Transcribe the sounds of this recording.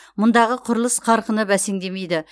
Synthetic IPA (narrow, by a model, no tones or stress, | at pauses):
mʊnd̪ɑʁəqʰʊɾəlˠəsqʰɑɾqənəbæse̞ŋd̪e̞me̞jd̪ɪ